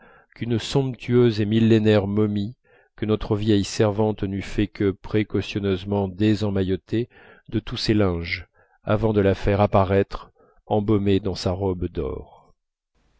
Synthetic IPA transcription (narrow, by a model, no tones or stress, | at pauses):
kynsɔ̃pt̪ʰyøzemilːenɛʁmɔmi | kənɔt̪χəvjɛjsɛʁvɑ̃t̪nyfɛkəpχekɔsjɔnøzmɑ̃d̪ezɑ̃majɔt̪e | d̪ət̪usɛlɛ̃ʒ | a̰vɑ̃d̪əlafɛʁapaʁɛt̪χ | ɑ̃bɔmed̪ɑ̃saʁɔbd̪ɔ̰ːʁ